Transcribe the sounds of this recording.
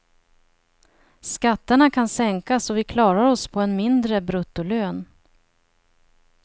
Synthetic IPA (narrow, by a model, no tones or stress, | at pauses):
skat̪ːəɳakʰansɛŋkasɔvɪkʰlɑːɾaɾɔspʰɔɛnmɪnd̪ɾəbɾɵt̪ːʊløːn